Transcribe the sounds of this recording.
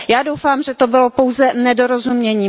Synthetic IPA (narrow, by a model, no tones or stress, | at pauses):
jaːdowfaːmʒɛt̪obɪlopo̞wzɛnɛdoɾozumɲɛɲiː